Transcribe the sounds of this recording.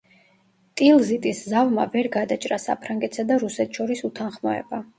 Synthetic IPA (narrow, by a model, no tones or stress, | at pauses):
t̪ʼilˠzit̪ʼiszavma̰vɛɾɡad̪at͡ʃʼɾasa̰pʰɾaŋɡɛt̪ʰsad̪aɾusɛt̪ʰʃɔɾisut̪ʰanχmɔɛ̰ba